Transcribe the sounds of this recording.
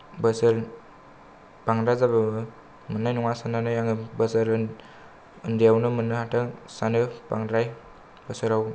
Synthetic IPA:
bəsɯɾ | paŋɾazabaɯ | mɯnːajnɔŋasananajaŋɯbəsɯɾɯ | ɯndijawnɯmɯnːɯhatasanɯpa̰ŋɾaj | b̥əsɯɾaw

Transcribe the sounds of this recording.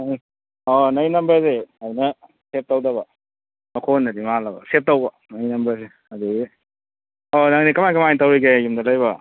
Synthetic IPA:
ɔnɐjnɐmbɐɾseadinɐ | sep̚tawdɐbɐ | mɐkʰonːɐdimalɐbɐ̰sep̚tawbɐ | nɐjnɐmbɐɾs̬e | ɐduɡi | onɐŋnikɐmajkɐmajntawɾiɡejumdɐlajbɐ

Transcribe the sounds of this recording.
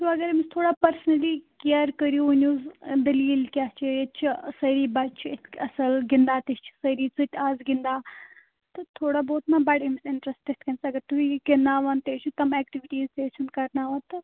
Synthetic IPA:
t̪uɐɡɐɾmist̪ʰoːɽaːpɐɾsnɐlikeəɾkəɾijuunʲuzd̪ɐliːlkʲat͡ʃʰiet͡ʃʰisɐɾiːbɐt͡ʃʰet̪kʲɐsɐlɡind̪aːt̪ist͡ʃʰi̥sɐɾiːt͡sɨt̪ʲʰaːzɡind̪aː | t̪ɨt̪ʰoːɽaboːt̪mãːbɐɽimisɪɳʈɾɐsʈetʈʲkɐnsɐɡɐɾt̪uikɐnːaːʋant̪eːt͡ʃʰut̪ɐmɛːkʈiʋiʈiːzt̪eːt͡ʃʰunkɐɾnaːʋant̪ɨ

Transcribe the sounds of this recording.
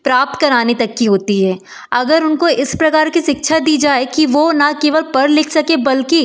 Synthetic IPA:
pɾaːp̚t̪kɐɾaːnet̪ɐkːiɦoːt̪iɦɛː | ɐɡəɾʊnkoʔɪspɾɐkaːɾkiʃɪkʃʰad̪iːd͡ʒaːekiʋonakeːʋəlpɐɾlɪkʰsɐkebɐlki

